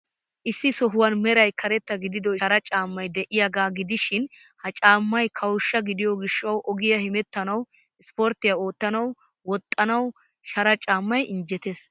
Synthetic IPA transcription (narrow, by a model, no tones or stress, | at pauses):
ʔɪsːɪsɔɦʊwɐnmɛɾɐjkʰɐɾɛt̪ːɐɡɪd̪ɪd̪ɔɐɾɐt͡ʃʼaːmːɐjd̪ɛʔɪjaɡaːɡɪd̪ɪʃɪn | hɐt͡ʃʼaːmːɐjkʰɐwʊʃːɐɡɪd̪ɪjɔɡɪʃːɐwʔɔɡɪjɐhɪmɛt̪ːɐnɐw | ɪspɔɾt̪ɪjɐo̞ːt̪ːɐnɐw | wɔt̪ʼːɐnɐw | ʃɐɾɐt͡ʃʼaːmːɐjʔɪnd͡ʒɛt̪es